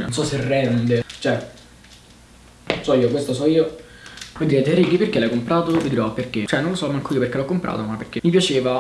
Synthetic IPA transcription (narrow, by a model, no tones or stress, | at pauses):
no̰nsɔserːɛnd̪et͡ʃoɛ | sɔiːokwest̪osɔiːo | vold̪iɾet̪eɾikiperk̟elajkːompɾaːt̪ovid̪iɾɔapːerk̟et͡ʃoɛnonlosɔmaŋkoiːoperkelɔkːompɾʔa̰ːt̪omapːerk̟emipjat͡ʃeːva